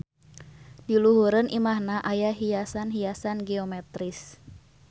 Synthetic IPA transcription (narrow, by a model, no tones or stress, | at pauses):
diluɦuɾənʔimahnaʔajaɦiasanɦiasanɡɛomɛt̪ɾis